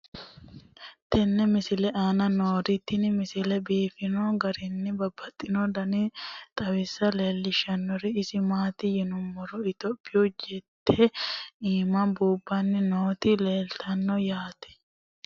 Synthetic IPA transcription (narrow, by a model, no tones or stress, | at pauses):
t̪ɛnːɛmɪsɪlɛʔaːnɐno̞ːɾɪt̪ːɪnmɪsɪlɛbiːfɪnoːɡɐɾɪnːɪbɐbːɐt̪ʼːɪnod̪ɐnit̪ʼɐwɪsːɐle̞ːlːɪʃɐnːɔɾɪɪsɪmaːt̪ɪjɛnʊmːɔɾɔɪt̪ɔpʼːɪjud͡ʒɛt̪ʰːeiːmɐnbuːbːɐnːɪnoːt̪ɪleːlt̪ʰɐnːɔjaːt̪ɛ̥